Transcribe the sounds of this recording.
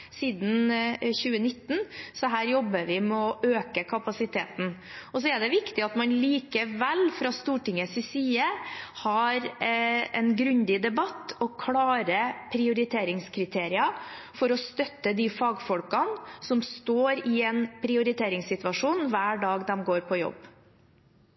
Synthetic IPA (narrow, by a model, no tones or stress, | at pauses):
siːd̪n̩çʉːənɪt̪ːn̩sɔɦæːɾjɔbːəɾʋɪmɛɔʔøːkəkʰɑpɑsɪt̪ʰeːt̪n̩ | ɔs̬ɔɛɖ̪ɛʋɪkt̪ɪɑt̪mɑnliːkəʋɛlfɾɑst̪uːʈɪŋəsɪsiːəhɑɾ | ɛnɡɾʉnd̪ɪd̪ɛbɑt̪ːɔkʰlɑːɾəpʰɾɪʊɾɪt̪ʰeːɾɪŋskʰɾɪt̪ʰeːɾɪɑ | fɔɾɔst̪œt̪ːəd̪ɪfɑːɡfɔlkɑnsɔmst̪oːɾɪɛnpʰɾɪʊɾɪt̪ʰeːɾɪŋsɪt̪ʋɑʂuːnʋæːɖɑːɡd̪ɛmɡoːɾpʰɔjɔ̰bː